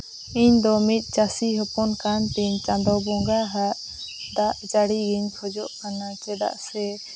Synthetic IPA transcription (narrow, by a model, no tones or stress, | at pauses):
iɲd̪ɔmit̪̚ˀt͡ʃasiɦɔpɔnkant̪iɲt͡ʃãnd̪ɔbɔŋɡaɦaʔ | d̪aʔd͡ʒaɽiɡiɲʰɔd͡ʒɔʔkanat͡ʃɛd̪a̰ʔsɛ